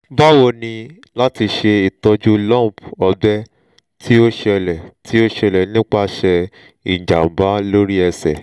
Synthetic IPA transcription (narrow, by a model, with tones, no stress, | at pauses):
ba˦wo˧nĩ˧ | la˦ti˧ʃe˧i˨tɔ˧d͡ʒu˦lɔ̃˦˨pɔ˧bɛ˦ | tʰi˦o˦ʃɛ˧lɛ˨tʰi˦o˦ʃɛ˧˨lɛ˨nĩ˦k͡pa˦ʃɛ˧ | i˨d͡ʒa̰˨m̩˨ba˨˦lo˦ɾi˦ɛ˧sɛ̰˨